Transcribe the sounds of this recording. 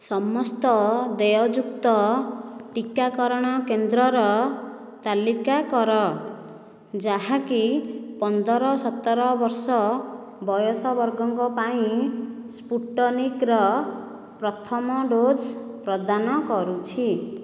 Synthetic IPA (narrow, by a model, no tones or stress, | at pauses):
sɔmɔst̪ɔd̪ejɔd͡ʒukt̪ɔ | ʈikakɔɾɔɽ̃ɔkend̪ɾɔɾɔ | t̪alikakɔɾɔ | d͡ʒaɦakipɔnd̪ʱɔɾɔsɔt̪ːɔɾɔbɔɾsɔ | bɔjɔsɔbɔɾɡɔŋkɔpaĩspuʈːɔnikɾɔ | pɾɔt̪ʰɔmɔɖod͡ʒpɾɔd̪anɔkɔɾut͡ʃʰi